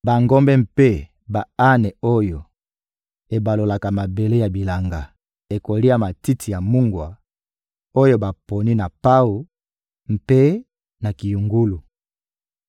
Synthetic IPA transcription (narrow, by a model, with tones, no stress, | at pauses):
ba˨ŋɡo˦mbɛ˦m̩pe˦ | ba˨a˦nɛ˨o˦jo˨ | e˨ba˨lo˨la˨ka˨ma˨be˨le˦ja˨bi˨la˨ŋɡa˨ | e˨ko˨li˦ja˨ma˨ti˦tʰi˨ja˨mu˦ŋɡwa˨ | o˦jo˦ba˨po˨ni˦na˨pa˦u˨ | m̩˨pe˦ | na˨ki˨ju˨ŋɡu˦lu˨